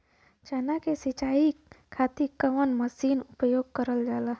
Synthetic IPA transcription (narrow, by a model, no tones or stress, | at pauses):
t͡ʃɛːnakesit͡ʃaːikʰaːt̪ikəʋənməsiːnʊpəjoːɡ̚kəɾəld͡ʒaːlaː